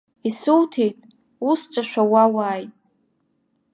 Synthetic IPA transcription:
isɨwtʰejtʼ | usʈ͡ʂʼaʃᶣʷawawaːjtʼ

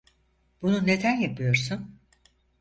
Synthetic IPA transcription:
bunune̞d̪ænjapʰɯjo̞ɾsun

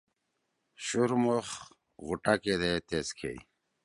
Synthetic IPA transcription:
ɕuɾmoχ | ɣuʈaked̪et̪eskʰḛjḭ

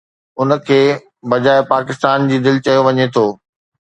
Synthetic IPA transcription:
ʊnə̆kʰeː | bɐd͡ʑaːɪpaːkɪst̪aːnd͡ʑiːd̪ɪlɪt͡ɕɐjoʋɐɲet̪ʰoː

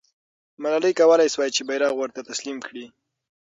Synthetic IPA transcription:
malɑləjkawəlajswɑjt͡ʃebajɾɑɣwəɾt̪at̪aslimkɽi

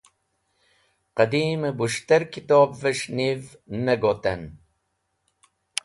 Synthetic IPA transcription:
qəd̪iːmɨbuʃt̪ɛɾkʰit̪ɔːbvəʃnivnəɡot̪ɛn

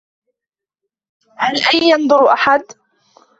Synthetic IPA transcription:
halʔajːɑnd̪ˤʊɾʔaħad̪

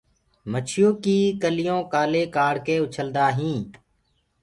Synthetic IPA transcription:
mət͡ʃʰɪjõːkiːkəlɪjõːkaːleːkaːɽkeːʊt͡ʃʰəld̪aːɦĩː

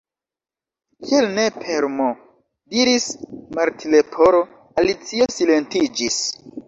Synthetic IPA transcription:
kʰielne̞pʰeɾmo | diɾismaɾtʰilepʰo̞ɾo | alit͡sio̞sile̞ntid͡ʒis

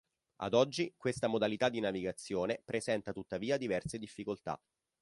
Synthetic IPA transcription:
a̰d̪ɔd͡ʒːikwest̪amod̪alit̪ad̪ːinaviɡat̪sːjoːnepɾezɛnt̪at̪ut̪ːaviːad̪ivɛrsed̪ifːikolt̪a̰

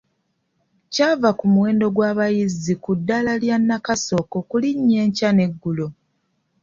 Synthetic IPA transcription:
cavakumuwe̞ːndo̞ɡwaːβajizikudːalaljanːakaso̞ko̞kuliɲːe̞ːɲcane̞ɡːulo̞

